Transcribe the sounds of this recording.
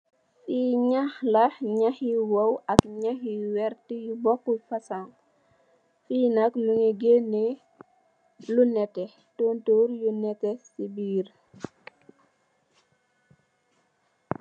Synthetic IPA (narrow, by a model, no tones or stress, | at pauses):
fiɲaxlɐɲaxiwowɐkɲaxiwɛɾtijubɔkːufɐsaŋ | fiːnɐkmuŋiɡenːi | lunɛtɛ | toːntoɾjunɛtɛsibiːr